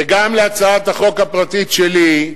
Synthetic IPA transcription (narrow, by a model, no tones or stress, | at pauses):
eɡamleat͡saat̪aχo̞kapʁat̪itʃeli